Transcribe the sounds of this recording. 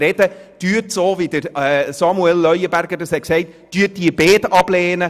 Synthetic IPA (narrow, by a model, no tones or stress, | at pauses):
ɾɛd̥əd̥yətsoːvidəɾɛsɑmuɛlːœʏəbæɾɡədəshɛksɛɪtd̥yət̚diəbeːdɑb̥lɛːnə